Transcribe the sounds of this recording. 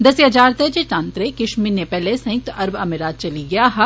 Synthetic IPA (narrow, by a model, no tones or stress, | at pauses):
d̪ɐsijad͡ʒaːɾt̪ed͡ʒeʈ̪ãːnt̪ɾekɪʃminepɛːlesɐ̃jk̚t̪ɐɾbɐmɪɾaːt̪̚t͡ʃɐliɡɐjaːɦ